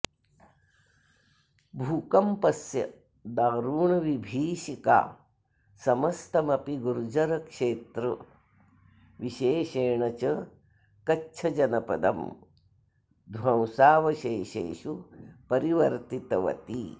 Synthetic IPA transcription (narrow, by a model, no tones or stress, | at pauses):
bʱuːkɐmpɐsjɐ̰ | d̪aːɾuːɳɐʋibʱiːʃika̰ː | sɐmɐst̪ɐmɐpiɡuɾd͡ʒɐɾɐkʂeːt̪ɾɐ | ʋiʃeːʃeːɳɐt͡ʃɐ | kɐːt͡ʃʰɐd͡ʒɐnɐpɐ̰d̪ɐ̰m | d̪ʱʋɐ̃w̃saːʋɐʃeːʃḛːʃupɐɾiʋɐɾt̪it̪ɐʋɐ̰t̪i